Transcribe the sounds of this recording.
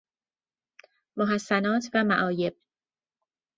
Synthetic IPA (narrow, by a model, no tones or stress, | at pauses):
moɦæsːænɒːt̪ʰvæmæʔɒːje̞b̥̚